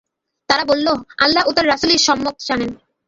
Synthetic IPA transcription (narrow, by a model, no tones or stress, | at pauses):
t̪aɾabolːoa̰lːaut̪aɾɾasuliɾʃɔmːok̪̚d͡ʑanen